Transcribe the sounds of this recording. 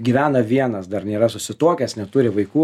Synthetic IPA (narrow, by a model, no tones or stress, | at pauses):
ɡʲiːʋʲæːnɐʋʲiɛnɐsd̪ɐrnʲeːɾɐsʊsʲɪt̪oɔːkʲɛsnʲɛt̪ʊɾʲɪʋɐɪkuː